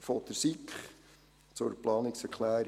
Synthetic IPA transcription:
fot̪əsikχ | t͡sʊɾplɑːnɪksɛkʰlæːɾ

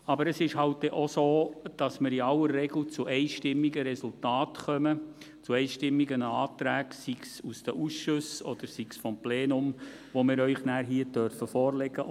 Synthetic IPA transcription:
ɑbəɾəsɪʃhɑlt̚dɛʔosoːd̥ɑsmɪːɾiɑlːəɾːɛɡl̩t͡suʔɛɪʃtɪmːiɡəɾɛsʊltɑːtχœmə | t͡suɛɪʃtɪmːiɡənɑːt̪ɾæːɡsiksusd̥əʔusʃʊsɔd̪̥əɾsiksfɔmpleːnʊm | ʋomɪːɾœʏχnæːɾɦiːədœɾfəfɔːɾlɛɡə

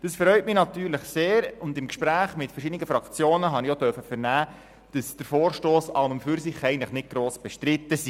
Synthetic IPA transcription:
d̥ɑsfɾœʏtmɪnɑt̪yːɾləχseːɾʊndɪmkʃpɾæːχmɪtfəɾʃɪdnɪɡəfɾɑkt͡sjoːnəɦɑniodœɾfəfəɾnæː | d̥ɑsd̥əɾfoːɾʃtoːsɑlməmfyɾsɪχɛɪəntləχnɪt̚ɡ̥ɾoːsb̥ɛʃtɾɪt̪ːəsi

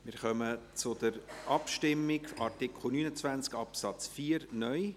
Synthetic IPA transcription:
mɪɾχœmət͡sʊd̪̥əɾʔɑpʃtɪmːɪɡɑrtɪkʰχl̩ˠnyːnət͡svænt͡skɑpsɑt͡sfiːəɾnœj

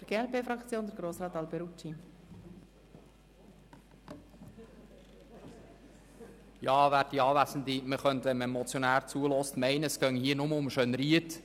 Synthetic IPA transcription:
əɾɡ̥eːɛlpeːfɾɑkt͡sjoːnd̪əɾɡɾoːsɾɑːt̪ɑlbeɾut͡ʃi | jɑːʋæːɾdiɑːʋæsən̩diməχœntʋɛnməmɔt͡sjonæːɾt͡suəlɔstmæɪnəəsɡ̥œŋhiənʊməʊmʃønɾiət

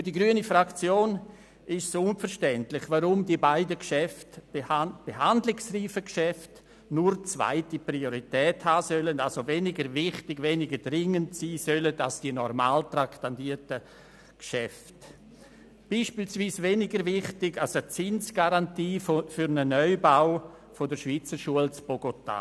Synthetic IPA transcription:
fydiɡɾyənifɾakt͡sjoːn | ɪʃsoʊnfəɾʃtɛntlɪχvaɾʊmdiəbaɪdəkʃɛft | b̥eɦandlɪksriːfəkʃɛft | nʊɾt͡sva̰ɪtiprioɾitɛːthaːsœlənalsoveːnɪɡəɾvɪχtɪɡveːnɪɡəɾdɾɪŋəntsiːsœlədasd̥iənɔɾma̰ːltraktandiətə | kʃɛft | b̥iːʃpiːlsviːsveːnɪɡəɾvɪχtɪɡalsət͡sɪnsɡ̥aɾantiːfyɾnənœʏbaʊ | fodəɾʃviːt͡səɾʃuəlt͡sb̥oɡota̰

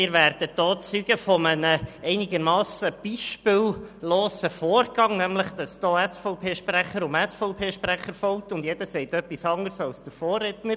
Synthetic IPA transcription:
ɪːɾvæːɾd̥əd̥ɔːt͡syɡ̥əfɔmənəɛɪnɪɡəɾmɑːsəb̥iʃpɪlloːsəfoːrɡ̥ɑŋnæmləχd̥ɑsd̥ɔːɛsfɔʊpʰeːʃpræχəɾʊmɛsfɔʊpʰeːʃpɾæχəɾfɔʊtʊndjɛd̥əsɛɪtœpːisɑŋəɾsɑlsd̥əɾfoːrretnəɾ

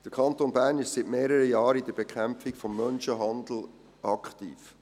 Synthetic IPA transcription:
d̥əɾkʰɑnt̪onbæːɾnɪʃsɪtmeːɾəɾəjɑːɾid̥əɾbekʰæmpfɪkfɔmːœnʃəɦɑnd̪l̩ | ʔɑkχt̪ḭːf

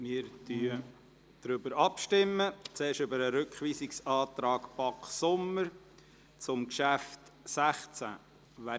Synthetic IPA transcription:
mɪːɾtyə | d̪̥ɾʏbəɾɑpʃtɪmːət͡seːɾʃʏbəɾəɾʏkχʋiːsɪksɑːt̪ɾɑːkpɑksʊməɾ | t͡sʊmkʃæft̪sæχt͡sæ̰ | ʋæ

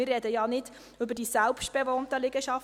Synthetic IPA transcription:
ɪrɛdəjɑnɪd | ʏbəɾdiːsɛlpʃtb̥ɛvoːntəlɪɡ̥əʃɑf

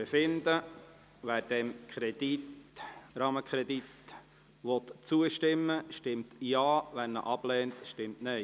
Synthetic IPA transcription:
efɪnd̪ə | ʋæːɾd̥ɛmkʰχɾɛd̥̪itrɑːməkχɾɛd̪it̪ | ʋɔt̪t͡suəʃtɪmːəʃtɪmtjɑːʋænːə̰ʔɑb̥lɛːntʃtɪmtnɛɪ

